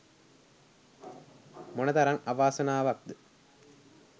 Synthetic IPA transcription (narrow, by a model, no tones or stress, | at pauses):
monɐt̪ɐɾɐŋɐʋaːsɐnaːʋɐk̚d̪ɨ